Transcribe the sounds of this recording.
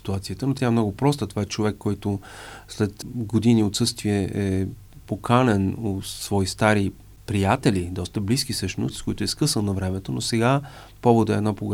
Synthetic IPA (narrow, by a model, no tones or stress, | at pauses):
i̥t̪uat̪sijət̪ənot̪ʲjaɛmnɔɡʊpɾɔst̪ət̪ovaɛt͡ʃovɛkːɔjt̪ʊslɛt̪ɡod̪iniot̪sɤst̪viɛʔɛ | pokʰanɛnot̪svɔist̪aɾi | pɾijat̪ɛlʲid̪ɔst̪əblisk̟isɤʃt̪no̰st̪skɔjt̪ʊɛskɤsənˠnɐvɾɛmɛt̪onosɛɡa | pɔvod̪ɛd̪napoɡ